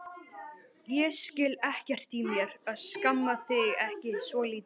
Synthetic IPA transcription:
jɛscɪlɛhcɛr̥t̪imjɛɾaðskamːaθɪɣɛhcɪsvɔliːt̪

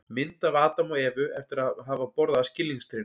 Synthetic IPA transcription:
mɪnt̪avaːt̪amɔɛːvʏʔɛft̪ɪɾaɦaːvapɔɾðascɪlːiŋst̪ɾɪn

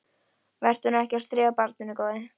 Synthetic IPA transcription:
vɛr̥t̪hunɛhcɛr̥sθɾɪːɣapaɾt̪̚nʏnːɪkoːwðɪ

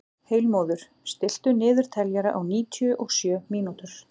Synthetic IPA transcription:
heːɥlmoːðʏɾ̥ | st̪ɪl̥t̪ʏnɪːðʏɾ̥t̪ʰɛljɛɾaʔawniːt̪ʰjʏʔɔɣsjœːmiːnut̪ʏɾ̥

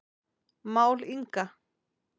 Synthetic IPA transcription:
mauliŋka

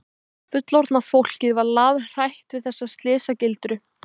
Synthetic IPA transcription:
fʏt̪lɔɾt̪nafowl̥cɪðvaɾlaðr̥ajht̪vɪðθɛsːast̪lɪːsacɪlt̪ɾʏ

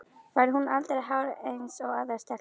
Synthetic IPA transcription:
vajɾɪɦunalt̪ɾɦawɾejnsɔɣaðəɾ̥st̪ʰɛ

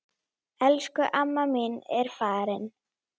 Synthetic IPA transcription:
ɛlskʏʔamːamɪnɛɾ̥faːɾɪn

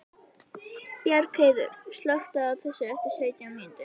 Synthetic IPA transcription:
pjaɾkʰeːjðʏ̰ɾ̥st̪lœxt̪aðaðθɛsːʏɛft̪ɪɾ̥seːjc̪amɪnt̪ɪ

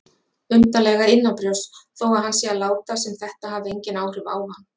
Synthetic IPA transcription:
ʏnt̪alɛɣaɾɪnːapɾjɔwsθoːwaɦanːsjɛalaːwt̪asɛmθɛht̪aɦavðɪejɲcɪnaːwrʏva̰ːwhanː

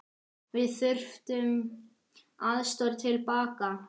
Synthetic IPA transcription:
vɪðθʏr̥ft̪ʏm | aðst̪ɔɾt̪ʰɪlpaːka

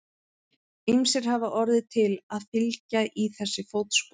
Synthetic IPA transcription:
imsɪɾ̥havaʔɔɾðɪt̪ʰɪlaðfɪlcaʔiθɛsːɪfowt̪sp

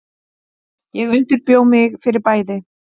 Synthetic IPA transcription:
jɛɣʏnt̪ʏɾpjoːwmɪɣfɪɾɪɾpaːjðɪ

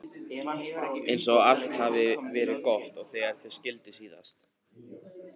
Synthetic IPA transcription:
ejns̬ɔɣal̥t̪haːvɪvɛːɾɪðkɔht̪ɔɣθɛaɾ̥θescɪlt̪ɪsiːða̰st̪

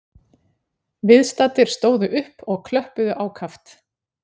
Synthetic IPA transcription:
vɪðst̪at̪ːɪɾ̥st̪oːwðʏʔʏhpɔɣkʰlœhpʏðʏʔaːwkʰaft̪

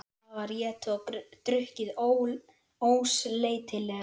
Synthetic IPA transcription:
avaɾjɛːt̪ʏat̪ɾʏhcɪðo | oːwsleːjt̪ʰɪlɛɣ

